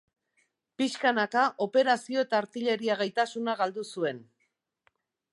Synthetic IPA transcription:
piskanakaʔo̞pe̞ɾasio̞e̞t̪aːɾt̪iʎe̞ɾiaɣajt̪asunaɣald̪usue̞n

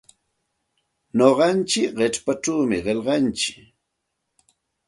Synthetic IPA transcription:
noɢɑnt͡ʃɪkɢeʈ͡ʂpaʈ͡ʂaːmɪɢeʎɢɑnt͡ʃɪ̥

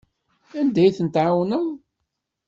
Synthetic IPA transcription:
ænd̪æjθənt̪ʕawnæʁ

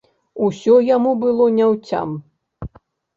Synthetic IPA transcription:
usʲɔjamubɨlˠɔnʲawt͡sʲa̰m

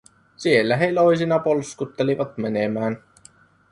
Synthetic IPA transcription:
sielːæɦeiloisinɑpolskut̪ːeliʋɑt̪menemæːn

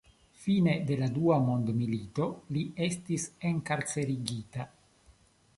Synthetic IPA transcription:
fine̞de̞laduamo̞ndmilito̞lie̞stise̞ŋkaɾt͡se̞ɾiɡita

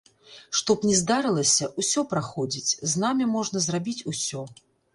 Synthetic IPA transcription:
ʂt̪ɔpnʲɛzd̪aɾɨlˠɐsʲɐʔusʲɔpɾaxɔd͡zʲit͡sʲznamʲimɔʐnɐzrabʲit͡sʲusʲɔ

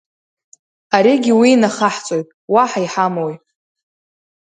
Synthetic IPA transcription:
aɾiɡʲɪwiːnaχaħt͡sʼo̞jtʼwaħaiħamowi

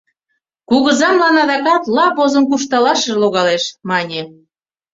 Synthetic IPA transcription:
kuɣɤ̆zɑmlɑnɑðɑkɑt̪lɑpozɤ̆mkuʃ̬t̪ɑlɑʃə̆ʒloɣɑleʃmɑnʲe

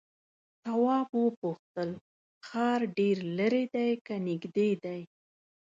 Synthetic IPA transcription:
t̪awɑbwəpuxt̪əl | xɑɾɖeɾləɾed̪ajkanɪɡd̪ed̪aj

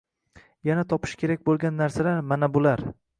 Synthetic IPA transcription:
janat̪ʰɒpʰɪ̥ʃkʲʰe̞ɾakʲbolˠɡʲanːaɾsalaɾmanabʊlaɾ

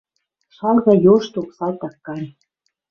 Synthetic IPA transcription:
ʃɑlɣɑjoʃt̪oksɑlt̪ɑkːɑnʲ

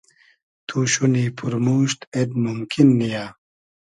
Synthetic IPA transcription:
t̪ʰuːɕuniːpʰuɾmuːɕt̪ed̪mumkinːijaː

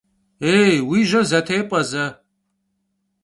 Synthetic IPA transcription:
eːwiːʒɐzɐtʰeːpʼɐzɐ

